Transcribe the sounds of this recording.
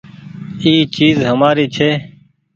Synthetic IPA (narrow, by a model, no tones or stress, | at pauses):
iːt͡ʃiːzɦəmaːɾiːt͡ʃʰeː